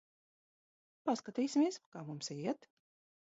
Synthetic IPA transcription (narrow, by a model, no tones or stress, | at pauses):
paskat̪iːsʲimʲiɛskaːmumsiɛt̪